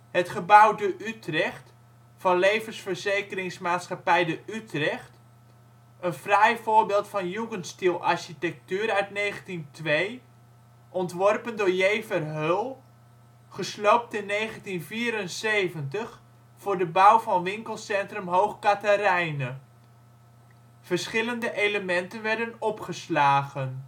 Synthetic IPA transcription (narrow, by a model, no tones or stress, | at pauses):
hətχəbʌwdəʔytrɛχt | fɑnlejvənsfəɹzejkərɪŋsmaːtsχapɛjdəytrɛχt | ənfrɛjvʊːɹbɪːlˠtfɑnjuɡənstilˠʔɑɹʃitɛk̚tyːɾœɥtnejχəntintʋej | ʔɔntʋɔrpəndʊːɹjejvərɦølˠ | χəslowp̚tɪnːejχəntinviːɾənsejvəntəχ | fʊːɹdəbʌwvɑnʋɪŋkəlˠsɛntrɵmɦowχkatarɛjnə | v̥ərsχɪləndəʔejləmɛntənʋɛɹdənɔpχəslaːɣən